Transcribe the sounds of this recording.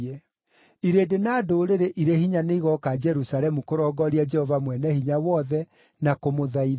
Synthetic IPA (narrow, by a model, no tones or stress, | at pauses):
ɛ | iɾedenaːdoːɾeɾeʔiɾehiɲaneiɣɔkad͡ʒɛɾusaɾɛmukoɾɔːɡɔɾiad͡ʒɛhɔvamwɛnɛhiɲawɔðɛ | nakomoðai